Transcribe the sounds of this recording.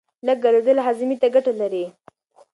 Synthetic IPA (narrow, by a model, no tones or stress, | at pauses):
ləɡ̚ɡalod̪əlaɦazɪmit̪aɡaʈalaɾi